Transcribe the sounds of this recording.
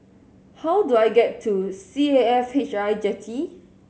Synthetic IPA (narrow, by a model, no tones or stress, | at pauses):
hawduajɡɛtʰːusieɛfhet͡ʃajd͡ʒɛtʰi